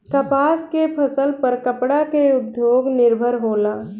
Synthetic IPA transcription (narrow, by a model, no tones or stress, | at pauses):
k̪ɐpaːskepʰəsəlpɐɾkəpɽakeʊd̪joːɡnɪɾbʱəɾɦoːlaː